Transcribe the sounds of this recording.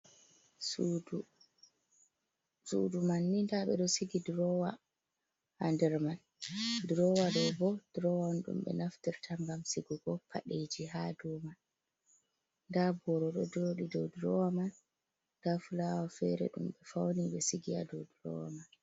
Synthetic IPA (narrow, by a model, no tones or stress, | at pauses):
sṵdumanːindaɓɛ̰ɗɔsiɡidɾɔwa | andɛɾman | dɾɔwadɔbɔd̥ɾɔwanɗṵmɓɛ̰naftiɾtʰambamsiɡɔɡɔpʰaɗed͡ʒiɦaduman | ndabɔɾɔɗɔ̰doːɗidɔwdɾɔwaman | ɡ̥afulawafɛɾɛ̰ɗumɓɛfawniɓɛsiɡia̰dɔwdɾɔ̰wa̰man